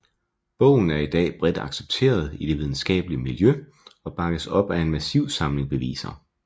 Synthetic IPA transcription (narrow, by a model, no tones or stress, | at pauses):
b̥ɔ̽ʊ̰n̩æɐid̥ɛ̰ːb̥ʁɛd̥ɑ̈ɡ̥seb̥̚t͡sʰe̝̰ːɐð̞̩ˠid̥e̝ʋið̞ˠn̩sɡ̥ɛ̰ːb̥əliəmiljø | ɒ̽b̥ɑ̈ɡ̥əsɒ̽b̥æe̝nmæsiʊ̰sɑ̈mle̝ŋb̥e̝ʋḭːsɐ̰